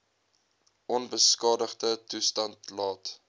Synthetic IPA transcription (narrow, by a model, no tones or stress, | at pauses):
ʔɔnbəskɑːdəχdətustɐntlɑːt